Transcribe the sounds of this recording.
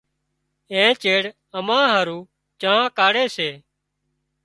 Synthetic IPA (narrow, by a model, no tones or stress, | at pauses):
ẽːt͡ʃeːɽ | əmãːɦəːɾuː | t͡ʃaːãːkaːɽeːseː